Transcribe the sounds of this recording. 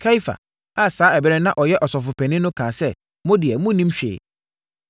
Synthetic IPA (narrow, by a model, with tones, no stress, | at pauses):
kʰa˦i˦fa̰˨ | a˦saː˦ɛ˨bɛ˦ɾɛ˦nã˦ʔɔ˨jɛ˦ʔɔ˨sɔ˨fʊ˨pʰɛ̃˨nɪ̃˦nʊ̃˦kʰãː˨sɛ˦˨ | mʊ̃˦dɪ˨ɛ˨mʊ̃˦nĩ˦mɕᶣḛ˨